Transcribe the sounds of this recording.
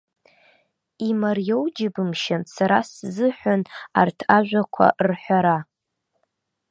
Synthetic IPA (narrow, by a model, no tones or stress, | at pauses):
imarjowd͡ʒɪbɨmʃansaɾaszɨħʷᶣana̰rtʰaʒᶣʷakʷʰa̰rħʷaɾa